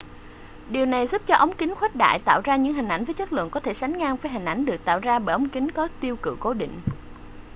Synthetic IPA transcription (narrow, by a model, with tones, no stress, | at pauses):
ɗi˨˩əwna˨˩jzu˦˥p̚t͡ɕɔ˧ʔə˨˦wŋ͡mki˨˦ŋ̟xwɛ˦˥t̚ɗa̰ː˧˨jt̪a̰ː˧˨wzaː˧ɲɨ̰˧˥ŋɦï˨˩ŋ̟ʔa˧˩j̟vəː˨˦jt͡ɕə˦˥k̚lɨ̰˧˨ŋkɔ˨˦t̪ʰe˧˩sa˨˦jŋŋaː˧ŋvəː˨˦jɦï˨˩ŋ̟ʔa˧˩jŋ̟ɗɨ˨˩ək̚t̪a̰ː˧˨wzaː˧ɓəː˧jʔə˨˦wŋ͡mkï˨˦ŋ̟kɔ˨˦˥t̪i˧əwkɨ̰˧˨ko˧˨˦ɗḭ˧˨ŋ̟